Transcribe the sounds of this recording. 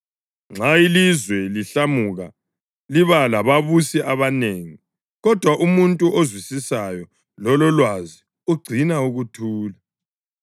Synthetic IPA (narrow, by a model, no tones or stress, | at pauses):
ŋ͡ǁailizwɛliɬamuɣa | liβalaβaβusiʔaβaneːŋi | ɣɔd̥ʱwaʔumuntʼuʔozwisisajɔ | lɔlɔlwazi | uɡ͡ǀʱinauɣutʰuːla